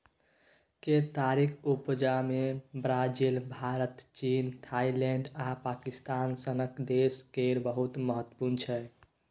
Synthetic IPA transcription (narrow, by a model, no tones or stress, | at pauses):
ket̪aɾikʰupd͡ʒamebɾad͡ʒilbʱaɾət̪t͡ʃint̪ʰailɛɳɖapakist̪ansənəkd̪eskeɾbəɦut̪məɦət̪ːə̥puɾnt͡ʃʰɛ